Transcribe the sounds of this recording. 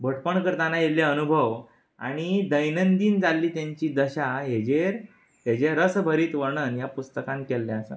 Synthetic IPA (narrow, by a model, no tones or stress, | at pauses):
bʱəʈpəɳkəɾt̪anajelːjaənubʱəʋ | a̰ɽ̃id̪əjnənd̪iːnd͡zalːiːt̪jaɲt͡ɕiːd̪əɕaɦed͡ʑeɾ | ɦed͡ʑeɾəsbʱəɾiːt̪ʋəɾɳənjapust̪əkãnkɛlːaəsə̰